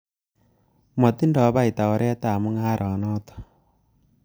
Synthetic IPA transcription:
mɔ˨t̪i˦ndɔ˨˦βa˦i˨ta˨ɔ˨˦ɾʔɛ˦ta˨mu˦ŋa˦ɾʔɔ˨nɔː˦t̪ɔ̥˨

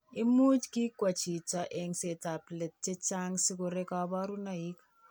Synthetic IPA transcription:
ɪ˦mu˦t͡ʃki˦kwa˨t͡ʃi˨t͡ʃa˨ʔe˨ŋse˨ta˨plɛ˨t̚t͡ʃe˦t͡ʃa˦ŋsɪ˦ko˨ɾe˦ka˨ba˦ɾu˦na˨i˦k

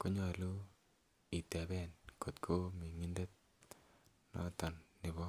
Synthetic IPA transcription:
ko˦ɲɔ˨lu˦ | i˨t̪ɛ˨bɛ˦˨nko˨t̪kʰo˦mi˨ŋi˦nde˦t̪̚ | nɔ̰˦t̪ɔ˨nːɪ˨βɔ˦

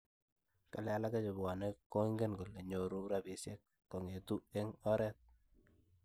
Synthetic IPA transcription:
ka̰˨lɛ˦a˦la˦ka˦t͡ʃe˨bwa˨ne˦ko˦ŋɡe˦nɡo˨le˨ɲo˨ɾu˦ɾa˦bi˨sje˦k̚ːɔ˨ŋe˨tu˦e˦ŋɔ˦ɾɛ˦t̪̚

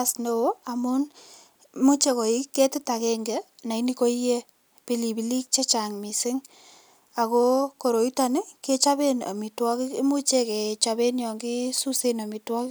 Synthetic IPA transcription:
sno˦o˦a˨mu˦n | mu˦t͡ʃe˦ko˨i˦kːe˦ti˦ta˨kɛ˦ŋɡe˨na˨ini˦ko˦ije˦ | pi˦li˨bi˨li˦k̚t͡ʃe˦t͡ʃa˨ŋmi˨sɪ˦ŋ | a˨ko˦ko˨ɾo˨ita˦nɪ˦ke˦t͡ʃa˦be˦na̰˨mi˨twɔ˦ki˦kmu˦t͡ʃe˦ke˨t͡ʃabe˦njɔ˨ŋɡi˦su˦se˦na˨mi˨twɔ˦kɪ˦

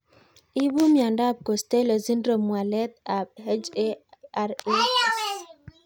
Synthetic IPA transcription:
i˦bu˦mja˨nda˦˨b̚ko˨ste˦lo˨zi˦nɾo˨mwa˨lɛ˦t̪̚a˨b̚he˦d͡ʒe˦a˦ɾi˦

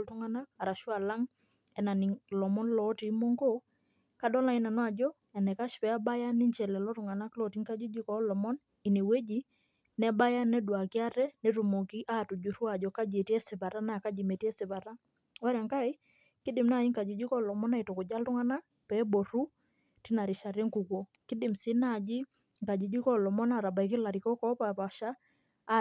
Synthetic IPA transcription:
ltu˦ŋa˦na˦a˨ɾa˨ʃwa˨la˦ŋ | ɛ˨na˨ni˨ŋlɔ˨mɔ˦nlɔ˨˦ti˨˦mɔ˦ŋɡo˦ | ka˦dɔ˦la˨i˦na˨nwa˨d͡ʒɔ˦ | ɛ˨nɛ˨ka˦ʃpɛ˨˦a˦ba˦ja˦ni˦nt͡ʃɛ˨lɛ˨lɔ˦tʊ˨ŋa˨na˦klɔ˨ti˦ŋka˦d͡ʒu˦d͡ʒi˦kɔ˨˦lɔ˨mɔ˦n | i˨ni˨wɛ˦d͡ʒi˦ | nɛ˦ba˦ja˦nɛ˦dwa˨ki˦a˦tɛ˦ne˦ɾu˨mo˨ki˦ʔa˦tu˨d͡ʒu˨ɾu˦a˨d͡ʒɔ˨ka˦d͡ʒe˨tɛ˦sɪ˨ba˨ɾa˦na˨ka˦d͡ʒi˨me˨ti˦ɛ˦sɪ˨βa˨ɾa˦ | ɔ˦ɾa˨ŋka˦i˦ | kɪ˦dɪ˨mna˦˨ji˦ŋka˨d͡ʒi˨d͡ʒi˦kɔ˦lɔ˨mɔ˦na˨i˨tɔ˨kʊ˨d͡ʒa˦ltʊ˦ŋa˦na˦ | pɛ˨˦bɔ˨ɾu˦ | tɪ˦na˨ɾɪ˨ʃa˨ɾɛ˦ŋku˨kɔ˨ | kɪ˦dɪ˨msɪ˦na˨d͡ʒi˦ | ŋka˨d͡ʒi˨d͡ʒi˦kɔ˦lɔ˨mɔ˦na˦˨ɾa˨ba˨i˨kɪ˦la˨ɾi˨kɔ˦kɔ˦pa˨pa˨ʃaː˦˨

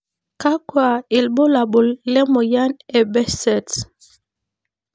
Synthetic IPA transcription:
ka˦kwa˨e˨lbo˦la˨bo˨llɛ˦mo˨ja˦nɛ˨bɛ˦sɛ˨t

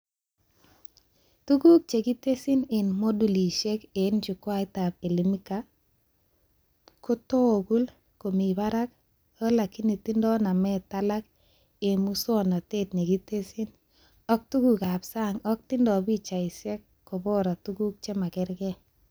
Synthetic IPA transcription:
tu˦ɡu˦k̚t͡ʃe˨ɡi˦te˦si˦nɪ˨nmo˦du˨li˨ʃe˦ke˨˦nd͡ʒu˨kwa˦ɪ˦ta˨pe˨li˦mi˦ka˦ | ko˦to˦˨ɡu˦l | ko˨mi˨ba˦ɾa˦k | o˦la˨ki˦ni˨tɪ˦ndɔ˦na˨mɛ˦ta˦la˦k | e˨mu˦swɔ˨nɔ˨te˦˨tni˨ɡi˦te˦si˦n | ɔ˦k̚tu˦ɡu˨ka˨bsa˦ŋɔ˦k̚tɪ˦ndɔ˨bi˦t͡ʃa˨ɪ˨se˦kːo˨bɔ˦ɾa˨tu˦ɡu˦k̚t͡ʃe˦ma˨kɪ˦ɾɡɛ˦

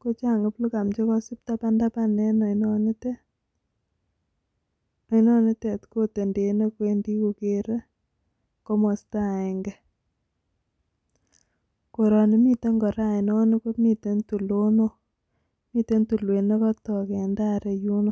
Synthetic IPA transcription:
ko˦t͡ʃa˦˨ŋe˨plu˦ka˨mt͡ʃe˦kɔ˦si˦p̚ta˦pa˦nda˦pa˦ne˦nɔ˨inɔ˦ni˦te˦ | nɔ˨i˦nɔ˦ne˦tɛ˨tko˦te˨nde˨ne˦kwendi˦ku˨ke˦ɾe˦ | ko˦mɔ˨sta˦˨ɛ˨ŋɡɛ˨ | ko˨ɾɔ˨ne˦mi˦te˦ŋɡɔ˨ɾa˦˨ɪ˨nɔ˦ne˦ko˦mi˨te˦ntu˨lo˦no˦ | mi˦te˦ntu˨lwe˨ne˦kɔ˦tɔ˨kɛ˨nda˦ɾe˨ju˦no˨

